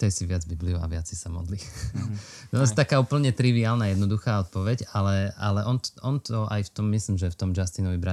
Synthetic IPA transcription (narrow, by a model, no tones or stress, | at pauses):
t̪ɛjsiʋɪad͡zbibliua̰ʋɪat͡sɛisamɔ̰d̪li | t̪ɔnast̪akaːuːpl̩ɲɛt̪ɾiʋiaːlnajɛd̪nɔd̪uxaːɔt̪̚pɔʋɛɟalɛalɛʔɔnʔɔnt̪ɔa̰jft̪ɔmːisliːmʒɛft̪ɔmd͡ʒast̪inɔʋibɾa